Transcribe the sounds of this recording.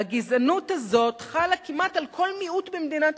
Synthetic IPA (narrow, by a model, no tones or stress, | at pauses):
aɡizanuthazo̞t̪χalakimatalkʰo̞lmiut̪bemd̪ina